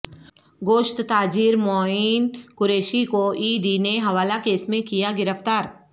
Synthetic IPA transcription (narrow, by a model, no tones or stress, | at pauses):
ɡoːʃt̪t̪aːd͡ʒiːɾmoːinkʊɾeːʃikoiːɖineɦɐʋaːlakeːsmẽkijaɡɪɾəft̪aːɾ